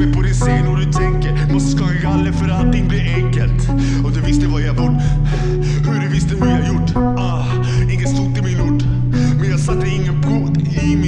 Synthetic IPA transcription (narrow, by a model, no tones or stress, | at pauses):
əpʰɔd̪ɪnseːnɔd̪ʉt̪ʰɛŋkəɾmɔskɑɡalːəfœɾalt̪ɪŋːblɪɾɛŋkəlt̪ | ɪɔd̪ʉvɪst̪əvajabʊɖ | ʉɖʉvɪst̪əvɑjahajʊʈː | ɪŋːət̪st̪ɔt̪ːɪlmɪnuːʈː | mɛnjɑːɡsat̪ːəɪŋːənpʰɾoːt̪ | ɪmɪ